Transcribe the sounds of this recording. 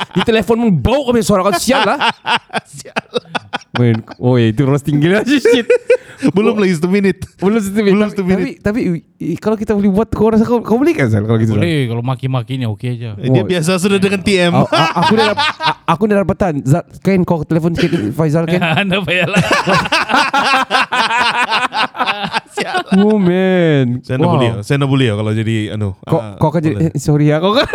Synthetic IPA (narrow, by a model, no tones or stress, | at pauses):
dit̪elefɔnməŋbaukabisoaɾakansiallahsialmɛnojait̪uɾɔst̪iŋɡilasiit̪bəlʊmlaɡis̬at̪uminɪt̪̚bəlʊmsat̪umist̪umianpit̪api | kalokit̪abəlihbuat̪kawɾasakakabəlikanza̰lkalokit̪uaekalomakimakɪɲaokead͡ʒadiabias̬as̬udadəŋant̪iɛmʔakudadaaakudadapat̪anzaʔkainkawkət̪elefɔnkanifajzalkaindapajala | samomɛnsajnaabuliasanabuliakalad͡ʒadia̰nokakakand͡ʒadisoɾiakawkan